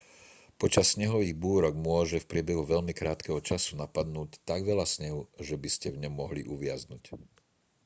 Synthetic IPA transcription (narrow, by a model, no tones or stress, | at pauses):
pɔt͡ʃasːɲɛɦɔʋiːɣbuːɾɔɡmʊɔʒɛfpɾɪɛbɛɦuʋɛʎmikɾaːt̪kɛɦɔt͡ʃasunapad̪nuːct̪aɡʋɛʎasɲɛɦuʒɛbiscɛvɲɔmːɔɦliʔuʋɪaznuːc